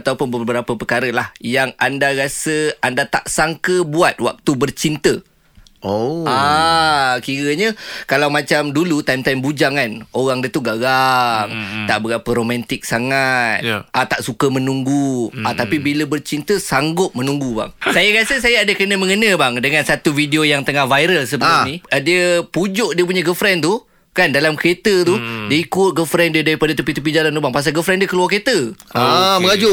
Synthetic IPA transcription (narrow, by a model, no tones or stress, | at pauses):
t̪aupʊnbəbəɾapəpərkaɾəlahjaŋʔandaɾasəandat̪aʔsaŋkəbuat̪̚wa̰k̚t̪ubərt͡ʃint̪ə | oa | kiɾəɲəkalawmat͡ʃamdulut̪ajmt̪ajmbud͡ʒaŋanoɣaŋdət̪uɡaɡaŋt̪aʔbəɾapəɾomãnt̪ɪk̚saŋat̪̚at̪aʔsukəmə̃nuŋɡuat̪apibiləbərt͡ʃint̪əsaŋɡʊt̪̚mə̃nuŋɡuba̰ŋsajaɡasəsajaadəkənə̃mə̃ŋənə̃baŋdəŋansat̪uvidiojaŋt̪əŋahvajɾəlsəbəaniədiəpud͡ʒʊʔdiəp̬uɲəɡəfɾɛnt̪u | kandalamket̪ət̪udiəikʊt̪̚ɡəfɾɛndiədaɾipadat̪upit̪upid͡ʒalant̪ubaŋpas̬aɡəfɾɛndiəkəluarket̪əaməŋad͡ʒu